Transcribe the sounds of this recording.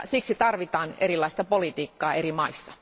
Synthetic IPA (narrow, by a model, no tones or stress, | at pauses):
siksit̪ɑrʋit̪ɑːnerilːˑɑist̪ɑpolit̪iːkːɑːeɾimɑisːɑ